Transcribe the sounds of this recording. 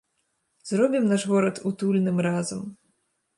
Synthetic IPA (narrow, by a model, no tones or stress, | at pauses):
zɾɔbʲimnaʐɣɔɾɐt̪ut̪ulʲnɨmrazɐm